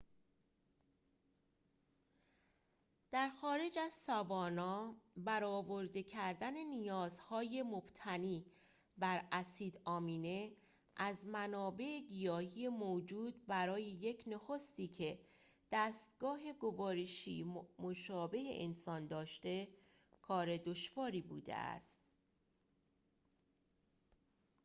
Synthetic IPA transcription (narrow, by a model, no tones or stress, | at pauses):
d̪̥æɾxɒːɾe̞d͡ʒæzsɒvɒːnɒːbæɾɒːvo̞ɾd̪e̞cʰæɾd̪æne̞nijɒːzhɒːje̞mob̥t̪ʰæniː | bæɾæsiːd̪ɒːmiːne̞ | ʔæzmænɒːbe̞ʔeɡijɒːhije̞moːd͡ʒuːd̪̚bæɾɒːjejecʰnoxo̞st̪iːcʰe̞ | d̪̥æːst̪ɡɒːɦe̞ɡo̞vɒːɾeʃiːmoʃɒːbe̞hḛʔensɒːnd̪ɒːʃt̪e̞ | kʰɒːɾe̞d̪o̞ʃvɒːɾiːbṵːd̪ḛʔæ̰st̪